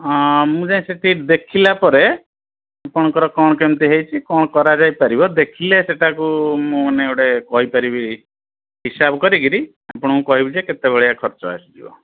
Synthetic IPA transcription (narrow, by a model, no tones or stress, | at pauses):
mũd͡ʒaĩseʈʰid̪ekʰilapɔɾe | apɔɽ̃ɔkɔɾɔkɔɽ̃ɔkemt̪iɦejt͡ʃʰikɔɽ̃ɔkɔɾad͡ʒajpaɾibɔd̪ekʰileseʈʰakumũmaneewɽekɔɦipaɾibi | ɦisabkɔɾiɡiɾi | apɔɽ̃ɔmũkɔɦibid͡ʒeket̪ebeɭiakʰɔɾt͡ʃɔa̰sid͡ʒḭbɔ̰